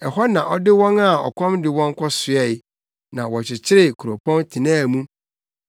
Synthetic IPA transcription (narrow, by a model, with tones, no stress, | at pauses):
ɛ˨hɔ˦nã˨ʔɔ˦dɪ˦wɔ̃˦na˦˨ɔ̰˨kʷʰɔ̃˦mdɪ˨wɔ̃˦ŋ˦kʰɔ˦sʊ˨ɛ˦˨˦ | nã˨wɔ˨t͡ɕʰɪ˨t͡ɕʰɪ˦ɾɪ˦kʰu˨ɾo˨pʰɔ̃˦ntʰi˨nãː˦˨mũ˦